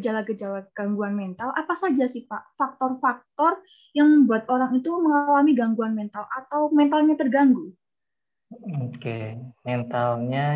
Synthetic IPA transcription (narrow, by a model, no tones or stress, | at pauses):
d͡ʒalaɡəd͡ʒalaɡ̥aŋɡuanmɛnt̪alʔapasad͡ʒasihpaʔfak̚t̪ɔrfak̚t̪ɔr | jaŋməmbuat̪̚ʔoɾaŋit̪uməŋalamiɡaŋɡuanmɛnt̪alʔat̪awmɛnt̪alɲat̪ərɡaŋɡu | okḛmɛnt̪alɲa